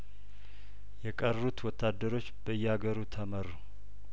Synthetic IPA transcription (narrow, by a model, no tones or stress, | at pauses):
jɛkʼərːut̪wɔt̪ʰːad̪ːəɾo̞t͡ʃːb̥əɨjːɛhaɡəɾut̪ʰəmərːu